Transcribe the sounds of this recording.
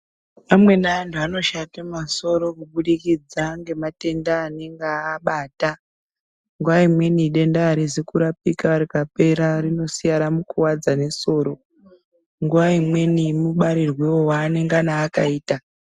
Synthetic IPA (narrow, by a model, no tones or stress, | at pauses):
pamwe̞naʋantʰuano̞ʃatemaso̞ɾo̞kuɓuɗikid͡zaŋɡe̞mate̞ndaːneŋɡaːɓata | ŋɡuʋaimwe̞niːɗe̞ndaːɾizekuɾap̚ikaʋaɾikape̞ɾarino̞sijaɾamukuwad͡zane̞so̞ːɾo̞ | ŋɡuʋaimwe̞nimuɓaɾirwewowaːneŋɡanaːkaiːta